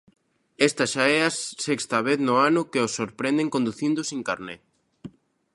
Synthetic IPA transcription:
est̪aʃaɛasɛkst̪ɐβ̞eθnoanʊkeosːoɾpɾɛnd̪eŋkõnd̪uθind̪osiŋkaɾne

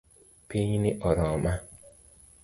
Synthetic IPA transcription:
peɲinɪʔɔɾɔma

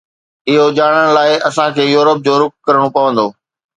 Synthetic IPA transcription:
ɪɦod͡ʑaːɽ̃əɽ̃̆laːɪʔɐsãkʰeːjuːɾəp̚d͡ʑoːɾʊk̚kɐɾəɽ̃opɐʋə̃nd̪oː

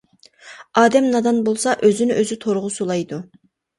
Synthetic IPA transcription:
ɑːd̪ɛmnɑd̪ɑnbolˠsɑʔøzynɪʔøzyt̪ʰoɾʁʊsolˠɑjd̪u

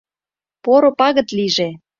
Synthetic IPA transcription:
poɾopɑɣə̆t̪liʒe

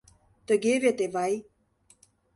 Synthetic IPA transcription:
t̪əɡevet̪evaj

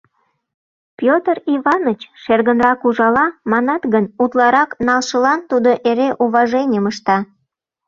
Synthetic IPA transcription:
pjot̪əriβɑnət͡ɕʃerɣənrɑkuʒɑlɑmɑnɑt̪ɣənut̪lɑɾɑknɑlʃəlɑnt̪ud̪oʔeɾeʔuβɑʒenʲəməʃt̪ɑ

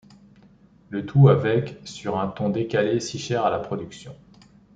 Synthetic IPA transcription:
lət̪ʰuavɛksyʁɛ̃t̪ɔ̃d̪ekalesiʃɛʁalapχɔd̪yksjɔ̃

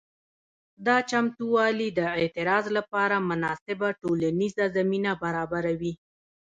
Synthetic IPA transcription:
d̪ɑt͡ʃamt̪uwɑlid̪əet̪ɪɾɑzlapɑɾamʊnɑsɪbaʈolanizazaminabaɾɑbaɾawi

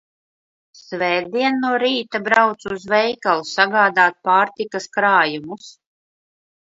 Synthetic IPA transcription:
svɛːd̪iɛnːuɔɾiːt̪abɾawt̪suzvɛjkalˠusaɡaːd̪aːt̪̚paːɾt̪ikaskɾaːjumus

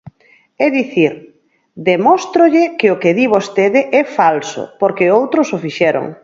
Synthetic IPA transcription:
ɛðiθiɾ | d̪emɔst̪ɾoʎɪkeʊkeðiβost̪eðɪʔɛfalsʊ̰poɾkeowt̪ɾosofiʃɛɾo̰ŋ

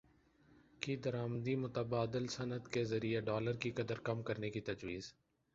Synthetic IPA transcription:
kid̪əɾaːmd̪imʊt̪əbaːd̪ɪlsɐnəd̪kezɐɾieɖɔːləɾkikɐd̪əɾkɐmkɐɾnekit̪ɐd͡ʒwiːz

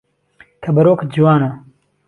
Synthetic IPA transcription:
kʰɐbɐɾoːkd͡ʒiwaːnɐ

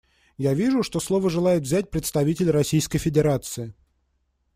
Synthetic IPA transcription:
javʲiʐʊʂt̪o̞slˠo̞vəʐɨlˠajɪt̪vzʲæt̚ʲpɾʲɪt̪st̪ɐvʲitʲɪlʲrɐsʲijskəjfʲɪdʲɪɾat̪sɨɪ

